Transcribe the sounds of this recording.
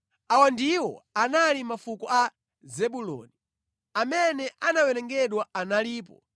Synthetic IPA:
awandiwɔ̰analimafukɔa | zɛɓulɔ̰ni | amɛnɛʔanawɛnɛŋɡɛɗwaanaliːp̬ɔ

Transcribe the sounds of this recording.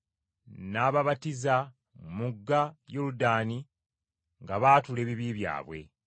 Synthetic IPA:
naːβaβatiza | muɡːajoludaːni | ŋɡaβaːtule̞ːβiβiːβja̰ːβwe̞̰

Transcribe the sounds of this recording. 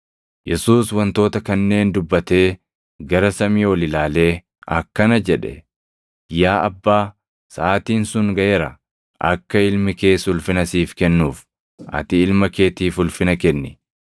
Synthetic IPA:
jɛsuːswɐnt̪o̞ːt̪ɐkɐnːe̞ːnd̪ʊbːɐt̪e̞ː | ɡɐɾɐsɐmiːwɔlɪlaːle̞ː | ʔɐkːɐnɐd͡ʒɛᶑɛ̰ | jaːʔɐbːaː | sɐʔaːt̪iːnsʊŋɡɐjeɾɐ | ʔɐ̰kːɐɪlmɪke̞ːsʊlfɪnɐsiːfkɛnːuːf | ʔɐ̰t̪ɪɪlmɐke̞ːt̪iːfʊlfɪnɐkɛnːɪ

